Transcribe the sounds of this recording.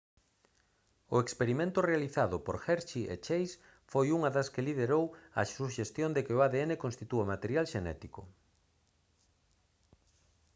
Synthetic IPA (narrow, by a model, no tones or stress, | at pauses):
ʊekspeɾimẽnt̪ʊrealiθaðʊpoɾxɛɾʃiʔḛt͡ʃejs | fojuŋɐðɐskeliðeɾowɐ̰suʃest̪jond̪ekɪʊaðeenekõnst̪it̪uamat̪eɾjalʃenɛ̰t̪ikʊ̰